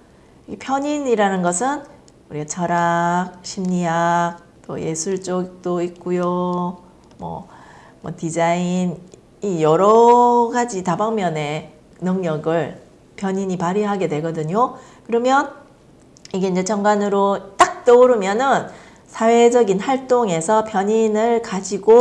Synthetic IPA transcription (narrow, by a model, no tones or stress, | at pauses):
ipʰjʌɲiniɾanɯnɡʌsʰɯn | uɾiɡat͡ɕʰʌɾak̚ɕʰimɲijak̚ | t͈o̰je̞sʰuɭt͡ɕ͈ot͈oik̚k͈ujo | mwʌ̰ | mwʌ̰tid͡ʑain | ijʌɾʌɡad͡ʑitabaŋmjʌne̞ | nɯŋɲʌɡɯɭ | pjʌɲiɲipaɾiɦaɡe̞dwe̞ɡʌdɯɲo | kɯɾʌmjʌn | iɡeind͡ʑe̞t͡ɕʰʌŋɡwanɯɾot͈ak̚t͈ʌuɾɯmjʌnɯn | sʰawe̞d͡ʑʌɡinhaɭt͈oŋe̞sʰʌpjʌɲinɯɭkad͡ʑiɡo